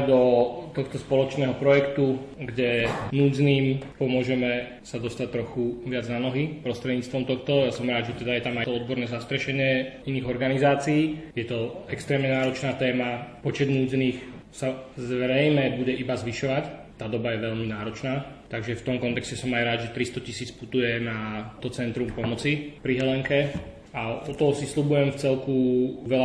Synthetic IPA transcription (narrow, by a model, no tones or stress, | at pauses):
d̪ɔt̪ɔxt̪ɔspɔlɔt͡ʃnɛːɦɔpɾɔjɛkt̪uɡɟɛnuːd͡zniːmpɔmʊɔʒɛmɛ | sad̪ɔst̪ac̚t̪ɾɔxuʋɪad͡znanɔɦipɾɔst̪ɾɛd̪ɲiːt͡st̪ʋɔmt̪ɔxt̪ɔjasɔmɾaːd̪ʒɛt̪ɛd̪ajɛt̪amajt̪ɔɔd̪̚bɔɾnɛːzast̪ɾɛʃɛɲɪɛiniːɣɔɾɡanizaːt͡siːjɛt̪ɔɛkst̪ɾɛːmɲɛnaːɾɔt͡ʃnaːt̪ɛːmapɔt͡ʃɛd̪nuːd͡zɛniːxsazʋɾɛjmɛbuɟɛʔibazʋiʃɔʋact̪ːaːd̪ɔbajɛʋɛʎminaːɾɔt͡ʃnaːt̪aɡʒɛft̪ɔmkɔnt̪ɛkscɛsɔmajɾaːd̪ʒɛt̪ɾist̪ɔcisiːt͡sput̪ujɛnat̪ɔt͡sɛnt̪ɾumpɔmɔt͡sipɾiɦɛlɛŋkɛ | aɔt̪ɔɦɔsislubujɛmft͡sɛlkuʋɛla